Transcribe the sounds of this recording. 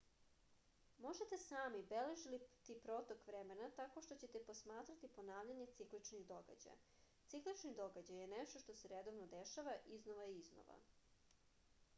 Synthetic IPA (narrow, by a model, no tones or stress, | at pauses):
mo̞ʒet̪esaːmibeleʒilit̪ipɾo̞t̪okʋɾemenat̪ako̞ʃt̪o̞t͡ɕe̞t̪e̞po̞smaːt̪ɾat̪ipo̞naːʋʎaɲe̞t̪siklit͡ʃnid̪o̞ɡa̰d͡ʑa̰j | t̪siklit͡ʃnid̪o̞ɡad͡ʑajeneʃt̪oʃt̪o̞seɾed̪o̞ʋnod̪eʃaʋaʔiznoʋajizno̰ʋa̰